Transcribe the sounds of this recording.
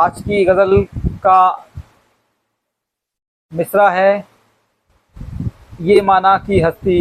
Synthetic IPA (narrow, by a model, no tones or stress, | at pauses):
aːd͡ʒkiɣɐzəlka | mɪsɾaɦɛ | jeːmaːnakiɦɐst̪i